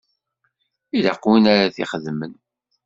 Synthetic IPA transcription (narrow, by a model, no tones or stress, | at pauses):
ilaqwinaɾaθiχəðmən